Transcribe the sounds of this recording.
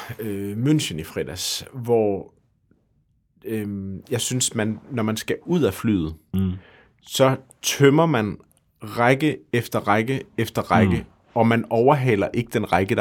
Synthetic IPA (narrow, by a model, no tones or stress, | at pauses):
ømønɕənifʁɛd̥æsʋɒ | øjɑ̈ɪsynsmænːɒmænsɡ̥æuð̞̰ˠæfly̰ːð̩ˠ | sɒ̽ | t͡sʰømɐmæn | ʁaɪɡ̥əefd̥ɐʁɑɪɡ̥əefd̥ɐʁɑ̈ɪɡ̥ə | ɒ̽mænɒʊɐɦɛ̰ːlɐʔe̝ɡ̥əd̥enʁaɪɡ̥əd̥